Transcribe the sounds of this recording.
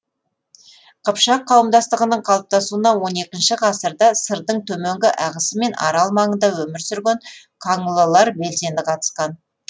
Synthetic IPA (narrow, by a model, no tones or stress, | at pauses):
qʰəpʃɑqʰːɑwəmd̪ɑst̪əʁənəɴqʰɑlˠəp̚t̪ɑsuənɑwo̞ne̞kʲɪnʃɪqʰɑsəɾd̪ɑsəɾd̪əɴt̪ʰɵmeŋɡʲɪʔæʁəsəme̞nʔɑ̰ɾɑlˠmɑɴənd̪ɑwɵmɪɾsʏɾɡʲeɴ | qʰɑɴəlˠəlˠɑɾbe̞lse̞nd̪ɪqʰɑt̪ə̥sqɑn